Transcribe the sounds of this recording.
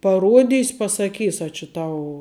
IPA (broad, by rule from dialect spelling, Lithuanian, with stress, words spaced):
pɐˈruɔdʲiːsʲ pɐsɐˈkʲiːs ɐ t͡ʃʲɪ ˈtɐʊ